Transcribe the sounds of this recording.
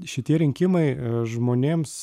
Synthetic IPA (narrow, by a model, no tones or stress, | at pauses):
ʃʲɪt̪ʲiɛɾʲɪŋʲkʲɪmɐɪʒmoːnʲeːms